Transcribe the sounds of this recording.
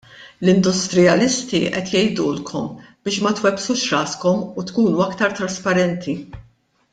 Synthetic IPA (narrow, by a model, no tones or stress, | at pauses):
lɪnd̪ʊst̪ɾɪjɐlɪst̪iʔɛt̪jɛjd̪uːlkʰɔmb̥ɪːʃmɐt̪wɛpsuːʃɾɐːskɔmut̪kuːnuɐkt̪ɐɾt̪ɾɐspɐɾɛnt̪ʰi